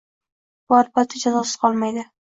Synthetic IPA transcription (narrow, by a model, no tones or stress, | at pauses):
bʊaɾbat̪ʰːɪd͡ʒazɒsɪ̥z̥qʰɒlˠmajd̪ɪ